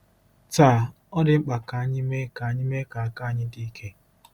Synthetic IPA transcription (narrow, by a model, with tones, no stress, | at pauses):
taː˦˨ | ɔ˦dɪ˦ŋ͡m̩˦k͡pa˨ka˨a˦ɲɪ˦me˦ka˨a˦ɲɪ˦me˦ka˨a˨ka˦ɲɪ˦di˦i˦kʰe˦